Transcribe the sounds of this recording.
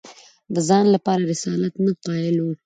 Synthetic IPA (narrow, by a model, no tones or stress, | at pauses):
d̪əzɑnlapɑɾaɾɪsɑlat̪naqɑjɪlo